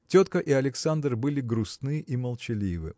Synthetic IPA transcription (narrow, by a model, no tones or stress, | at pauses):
tʲo̞t̪kəʔiɐlʲɪksand̪rbɨlʲɪɡɾʊsnɨʔiməlˠt͡ɕɪlʲivɨ̰